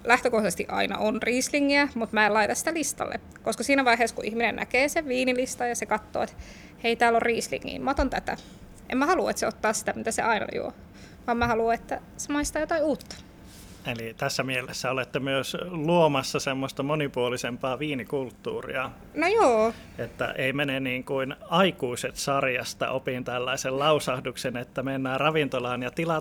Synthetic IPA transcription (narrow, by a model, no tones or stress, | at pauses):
læht̪økoht̪est̪iʔɑ̰inɑ̰ʔonriːsliŋːiæmut̪mæːelɑit̪ɑssi̥t̪ælist̪ɑ̰lːḛ | koskɑsiːnæʋɑiɦeːskuʔihminḛnnæ̰keːseʋʋiːnilist̪ɑjɑsekɑt̪ːo̰ːet̪ | heit̪æːlorriːslḭŋːḭːmmɑt̪ont̪æt̪æ̰ | ʔḛmæhɑluḛt̪seot̪ːɑːssi̥t̪æmit̪æsḛʔɑinɑ̰jṵo̰ | ʋɑːmmæhɑluet̪ːæ | semɑist̪ɑːjot̪ɑiuːt̪ːɑ̥ | elit̪æsːæmielesːæolet̪ːemyøsluomɑsːɑsemːost̪ɑmonipuolisempɑːʋiːnikult̪ːṵːrḭɑ | nojoː | et̪ːæ̰ʔeimeneniːŋkuinɑikuiset̪sɑrjɑst̪ɑ̰ʔopint̪ælːæisellɑusɑhduksenet̪ːæmenːæːrɑʋint̪olɑːnjɑt̪ilɑ